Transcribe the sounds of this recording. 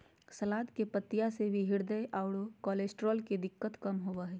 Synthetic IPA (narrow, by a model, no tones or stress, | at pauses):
sɐlaːd̪kepət̪ːijasebʱiɦɪɾd̪əʔaːʊɽokɔːleːsʈɾɔːlked̪ɪkːət̪kɐmɦoʋaɦɛː